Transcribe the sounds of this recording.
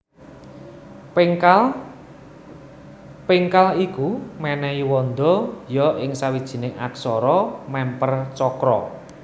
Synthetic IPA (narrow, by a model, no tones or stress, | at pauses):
pɪŋkalikumɛnɛiwɔnd̪ɔjɔʔɪŋsawid̥ʒ̥i̤nɪŋa̰ksɔɾɔmɛmpərt͡ʃɔkɾɔ̰